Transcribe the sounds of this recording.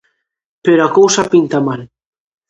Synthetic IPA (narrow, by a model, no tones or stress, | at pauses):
peɾoakowsapint̪amal